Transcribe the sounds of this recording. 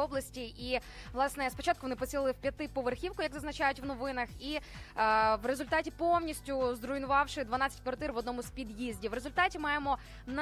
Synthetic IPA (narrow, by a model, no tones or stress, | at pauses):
ɔblˠɐsʲtʲiʔiʋlˠɑsnɛspɔt͡ʃɑt̪̚kʊʋɔnɪpɔt͡sʲsʲilˠlˠɪwpʲjɐt̪ɪpɔʋerxʲiwkʊjɐɡzɐznɐt͡ʃajʊtʲʋnɔʋɪnɐxi | ʋre̞zʊlʲt̪ɑtʲipɔwnʲisʲtʲʊzd̪ɾʊjnʊʋɑwʃɪd̪ʋɐnɑat͡sʲɛ̥tʲkʋɐrt̪ɪrʋɔd̪nɔmʊzpʲid̪jizʲdʲiʋɾe̞zʊlʲt̪ɑtʲimɑjemɔ | n